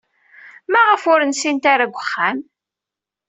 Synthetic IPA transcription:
mæʁəfʊɾənsint̪aɾaɡʷəχːæm

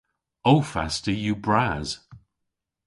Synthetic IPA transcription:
owfa̰stəjubɹaz̥

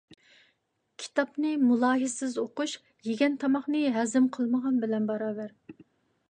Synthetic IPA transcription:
kʲʰi̥t̪ʰɑpnɨmulˠɑːɦɪsɪzoquʃ | jeɡʲɛnt̪ʰɑmɑχnɨɦɛzɪmqʰəlˠməʁɑnbɪlɛnbɑɾɑːbæɾ

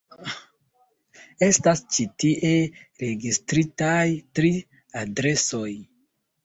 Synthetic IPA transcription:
e̞stast͡ʃitiʔe̞ɾe̞ɡistɾitajtɾi | adɾe̞so̞j

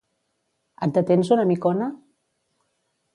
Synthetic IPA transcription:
a̰t̪̚d̪ət̪ensunamikɔna

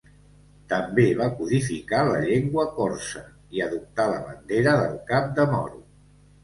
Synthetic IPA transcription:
t̪əmbeβ̞akuðifikalə̰ʎeŋɡwəkoɾsə | iəðup̚t̪aləβənd̪eɾəðəlˠkap̚d̪əmɔ̰ɾu

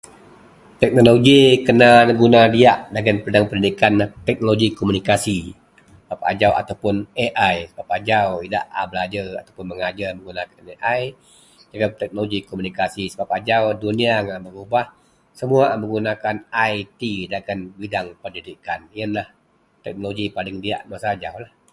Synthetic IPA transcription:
t̪ɛk̚noloɡikənanəɡunadiaʔdaɡanpədaŋpəndidikant̪ɛk̚noloɡikomunikasi | səbap̚a̰d͡ʒawa̰t̪awpʊneʔajsəbap̚ad͡ʒawida̰ʔa̰bəlad͡ʒaa̰t̪awpʊnməŋad͡ʒarməŋɡunakaneʔaj | d͡ʒaɡat̪ɛk̚noloɡikomunikasisəbapad͡ʒawduniaŋaʔbəɾubah | səmuaməŋɡunakanajt̪idaɡanbidaŋpərdidikanjənlah | t̪ɛk̚noloɡipalɪŋdia̰ʔmasaːd͡ʒawlah

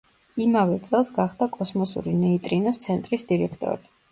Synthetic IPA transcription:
imavɛt̪sʼɛlˠsɡaχd̪akʼɔsmɔsṵɾinɛit̪ʼɾinɔst̪sʰɛnt̪ʼɾisd̪iɾɛkʰt̪ʼɔ̰ɾi

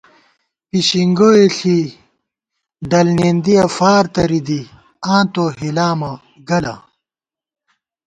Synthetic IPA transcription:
piɕiŋɡoːeɬi | ɖɐlneːnd̪iɐfaːɾt̪ɐɾid̪i | ãːt̪oɦilaːmɐ | ɡɐlɐ̰

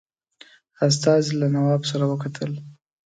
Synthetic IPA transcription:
as̬t̪ɑzilanawɑbsaɾawəkat̪ʰəl

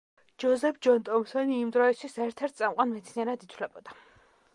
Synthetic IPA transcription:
d͡ʒɔzɛpʰd͡ʒɔnt̪ʼɔmsɔniːmd̪ɾɔɛst̪ʰwisɛɾt̪ʰɛɾt̪̚ʰsʼamqʼwanmɛt̪sʰniɛɾad̪it̪ʰlɛbɔd̪a

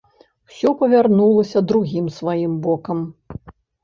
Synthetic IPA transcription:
w̥sʲɔpɐvʲarnulˠɐsʲɐd̪ɾuɣʲimsvajimbɔkɐm

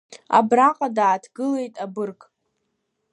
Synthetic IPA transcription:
a̰braqʼadaːtʰɡɨle̞jtʼabɨrkʼ

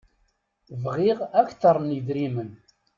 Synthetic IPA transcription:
vʁiʁæçθɑɾˤniðɾimən

